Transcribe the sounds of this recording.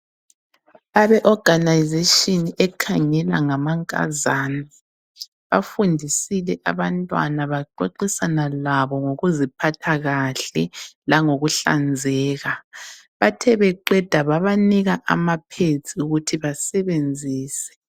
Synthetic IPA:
aβɛʔɔɡ̥anajzeʃʼɔniɛkʰaŋɛla̰ŋamaŋkʼa̰zaːni | βafundʱisilɛʔaβantʼwa̰naβaǃoǃisanalaβɔŋoɣuzipʰatʰaɣaɬɛlaŋoɣuɬa̰nd͡zʱɛːɣaβatʰɛβɛǃɛd̥ʱaβaβaniɣaʔa̰mapʰet͡sʰʼiuɣutʰiβasɛβend͡zʱiːsɛ̥

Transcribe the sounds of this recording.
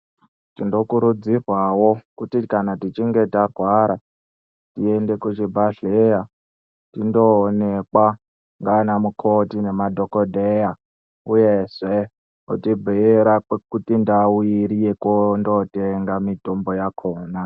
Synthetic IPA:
tindo̞kuɾud͡zirwawo̞kutikanatit͡ʃiŋɡe̞tarwaɾa | tie̞nde̞kut͡ʃibʱaɮeja | tindoːne̞kwa | ŋɡanamukʰo̞tine̞madʱo̞kodʱeja | uje̞ʐe | utibʱieɾakutindawiɾijekondo̞teŋɡamito̞mbo̞jakʰoːna

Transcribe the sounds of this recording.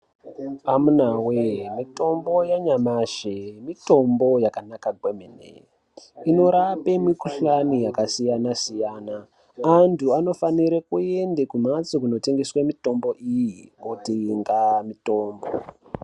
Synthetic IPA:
amunawemito̞mbo̞jaɲamaʒemito̞mbo̞jakanakaɡʱwemenḛ | ino̞ɾapemikuɬanijakasijanasijaːnaː | ntʰuano̞faniɾekue̞ndekumat͡sokuno̞te̞ŋɡeswemito̞mbo̞ʔijiotiŋɡamito̞ːmbo

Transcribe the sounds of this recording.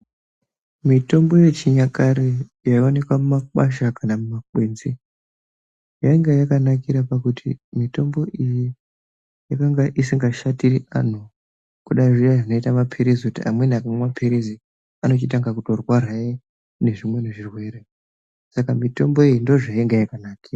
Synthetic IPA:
mito̞mbo̞je̞t͡ʃiɲakaɾejaione̞kwamumakaʃakanamumakweːnzi | jaiŋɡajakanakiɾapakutʰḭmito̞mbo̞ʔiji | jakaŋɡaʔisiŋɡaʃatiriʔa̰n̤u | kuɗaiʐijaʐino̞itamapʰeɾezikutia̰mwe̞nakamemapʰeɾezi | ano̞t͡ʃit̬aŋɡakutiorwaɾaje | ne̞ʐimwe̞ne̞ʐirwe̞ɾe | sakamito̞mbo̞ijindo̞ʐaiŋɡajakanakiːra

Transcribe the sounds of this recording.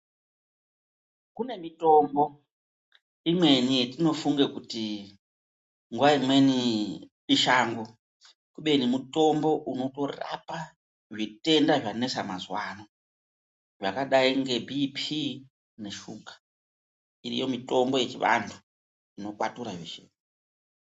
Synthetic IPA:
kune̞mito̞mbo̞ | imwe̞nitino̞fuŋɡekuti | ŋɡuaimwe̞ni | ɓiʃaːŋɡo | kuɓe̞nimuto̞mbo̞ʔuno̞to̞ra̰pa | ʐite̞ndaʐane̞samazwaːno | ʐakaɗaiŋɡe̞bʱipʰi | ne̞ʃukḁ | irḭjo̞mito̞mbo̞je̞t͡ʃiʋa̰ntʰu | ino̞kwa̰tuɾaʐiʃeːne

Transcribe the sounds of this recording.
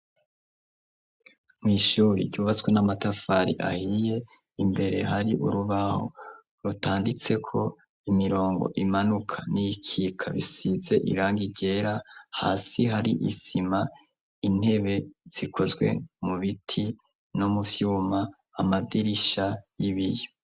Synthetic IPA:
mŋiːʃuːɾḭɾɟuːβat͡swe̞namatafaɾḭʔa̰hije̞ | imbe̞ɾe̞̰ɦaɾiʔuɾuβaho̰ | ɾutaːndit͡se̞kʰo̞ | imiɾo̞ːŋɡo̞̰ʔimanukʰanijikʰiːkʰaβḭsize̞ʔḭɾaːŋɡiɟe̞ːɾaha̰ːsiɦaɾḭʔisima | in̥he̞βe̞z̥ikʰo̞zɡwe̞̰muβitʰi | nomuvjuːmaː | madiɾiʃajiβije

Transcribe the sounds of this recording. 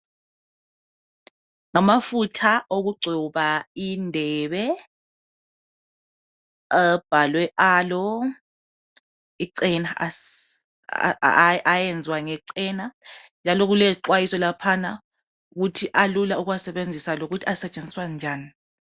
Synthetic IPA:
ŋamafutʰaʔoɣuɡ͡ǀʱuβaindʱɛːβɛ | ab̥ʱalwɛʔaːlɔ | iǀɛna | ajɛnd͡zʱwaŋɛǀɛnand͡ʒʱalɔɣulɛsiǃwajisɔlapʰana | uɣutʰiʔalulauɣwasɛβend͡zʱisaloɣutʰiasɛt͡ʃʼend͡zʱiswand͡ʒʱaːni

